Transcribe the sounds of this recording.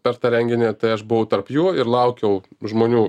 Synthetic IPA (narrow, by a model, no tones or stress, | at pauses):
pʲɛɾt̪ɑːɾʲɛŋʲɡʲɪnʲeːt̪ɐɪɐʃbʊʋɐʊt̪ɐrpjuːɪɾlˠɐʊkʲɛʊʒmoːnʲuː